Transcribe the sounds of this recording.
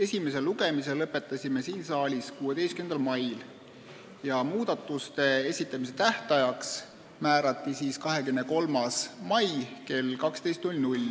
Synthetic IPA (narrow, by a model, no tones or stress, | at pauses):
e̞sʲime̞se̞lːuɡe̞mise̞lːɤpːe̞t̪ːˑɑsʲimesiːnsɑːlʲiskuːe̞d̪e̞jstkymend̪ɑlmɑjl | jɑmuːd̪̥ɑt̪ːˑust̪e̞e̞sʲit̪ˑːɑmis̬e̞t̪æht̪ɑjɑks | mæːɾɑt̪ːˑisiːskɑɦe̞kymneko̞lmɑsmɑjke̞lːkɑkst̪e̞jst̪nulʲnulʲ